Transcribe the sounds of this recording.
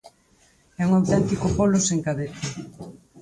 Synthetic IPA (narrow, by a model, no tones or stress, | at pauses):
ɛuŋawt̪ɛnt̪ikopoloseŋkaβet̪a